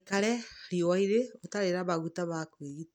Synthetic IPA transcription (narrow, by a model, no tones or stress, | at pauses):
kaɾɛhaɾiɔwaiɾeotaɾeɾaβaɣutaβakweɣita